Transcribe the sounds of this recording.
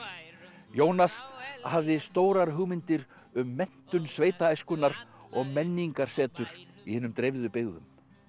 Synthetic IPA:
joːwnashavðɪst̪oːwɾaɾɦʏɣmɪnt̪ɪɾ | ʏmːɛn̥t̪ʏnsveːjt̪aajskʏnːaɾɔɣmɛnːiŋkaɾ̥sɛːt̪ʏɾ̥ | ihɛːnʏmt̪ɾejvðʏpɪɣðʏm

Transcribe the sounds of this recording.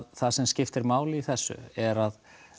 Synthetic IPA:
ðθasɛmscɪft̪ɛɾmaːwlɪiθɛsːʏ̰ɛɾað

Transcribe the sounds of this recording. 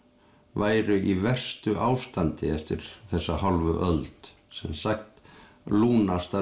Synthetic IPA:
vaːjɾʏʔivɛr̥st̪ʏʔaːwst̪ant̪ɪɛft̪ɪɾ̥θɛsːahalvʏʔœlt̪ | sɛmsaxt̪ | luːnast̪a

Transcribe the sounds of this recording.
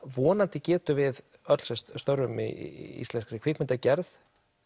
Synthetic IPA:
vɔːnant̪ɪcɛːt̪ʏvɪð | œt̪lsɛst̪st̪œwɾʏmḭḭst̪ɛnskɾɪkʰvɪːkmɪnt̪acɛɾθ

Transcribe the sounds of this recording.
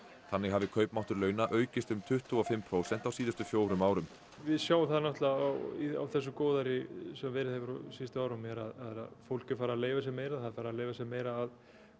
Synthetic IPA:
θanːɪɣɦavɪkʰœɥpmawht̪ʏɾlœːɥnaʔœːɥcɪst̪ʏmt̪ʰʏht̪ʰuɔfɪmpʰɾoːwsɛnt̪awsiːðʏst̪ʏfjoːwɾʏmaːwɾʏm | vɪðsjaːwθaðnɔht̪laawia̰wθɛs̬ːʏkɔːwðaɾɪsɛmvɛːɾɪðhɛvʏɾɔ̰sist̪ʏaːwɾamjɛɾaðaðɛɾa̰ðfowlcɪ̥faːɾaleːjvas̬jɛmeːjɾaðθaðfaːɾaleːjvasjɛmeːjɾaːð

